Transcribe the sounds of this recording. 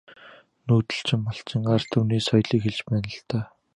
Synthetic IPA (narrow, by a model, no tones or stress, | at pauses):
nuːt̪ɘ̆ɬt͡ɕɪ̆mːaɬt͡ɕɪ̆ŋɢart̪ʰuwniːsɔjɮiːkxeɮt͡ɕpæːnə̆ɬt̪ʰœː